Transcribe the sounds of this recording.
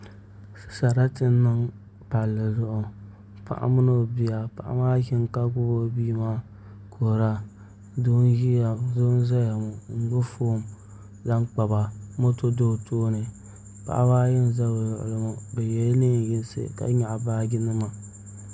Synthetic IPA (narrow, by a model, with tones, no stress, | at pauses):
sɨ̥˨sa˨ɾa˦tɨ˦nːɨ˦ŋ | pa˨lːɨ˨zʊ˦ʔʊ˨ | pa̰˦˨ʔa̰˦mɨ˦no˦˨bi˨ja˨pa̰˨ʔa̰˦maː˦ki˦ŋka˦ɡʊ˦bo˦biː˦maː˦ | kʰo˨ɾa˦ | du˦n˦ji˦ja˨zo˦n˦za˦ja˨mʊ˨ŋ̩˨ɡʊ˦foː˦˨m | za˦ŋk͡pa˨ba˨mo˦to˦doː˦˨toː˦nɨ˨ | pa̰˨ʔa̰˦maː˦jɪ˦n˨za˦bo˨zʊ̰˨ʔʊ̰˨lɨ˦mʊ˨bɛ˨jɛ˦lni˦n˨jɪ˦n˦sɨ̰˦ka̰˦ɲa˨ʔbaː˦ɡɪ˦nɨ˦ma˨